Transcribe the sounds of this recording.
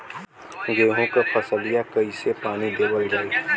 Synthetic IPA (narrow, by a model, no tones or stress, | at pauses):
ɡeɦõkəpʰəsəlijakəisepaːñid̪ebəld͡ʒaːj